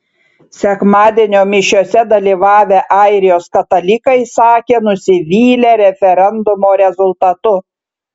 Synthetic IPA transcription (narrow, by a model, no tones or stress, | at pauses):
sʲɛkmɑːd̪ʲɛnʲoːmʲɪʃʲoːsʲɛd̪ɐlʲiːʋɑːʋʲeʔɑˑɪɾʲɪjoːskɐt̪ɐlʲɪkɐɪsɑːkʲeːnʊsʲɪʋʲiːlʲeɾʲɛfʲɛɾʲɛnd̪ʊmoːɾʲɛzʊlˠt̪ɐt̪ʊ